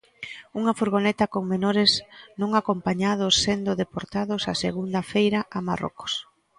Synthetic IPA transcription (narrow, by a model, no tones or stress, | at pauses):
uŋɐfoɾɣonɛt̪ɐkoŋmenoɾɪznõŋakompaɲað̞ʊsːend̪ʊðepoɾt̪aðʊsasḛɣund̪ɐfejɾaʔamaro̰ko̥s